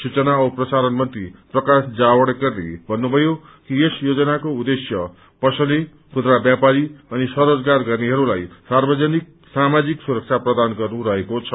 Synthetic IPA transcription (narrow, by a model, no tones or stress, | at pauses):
sut͡sʌnaʌprʌsaɾʌnmʌnt̪riprʌkasd͡zawʌɽeɡʌrnḛbʱʌnːubʱʌjo | kiesjod͡zʌnakoud̪esjʌ | pʌsʌli | kʰud̪ɾabjapaɾiʌnisʌɾod͡zɡarɡʌrneɦʌɾulajsarbʌd͡zʌnik̚ | samad͡ziksuɾʌk̚t͡sʰaprʌd̪anɡʌrnuɾʌɦekot͡sʰʌ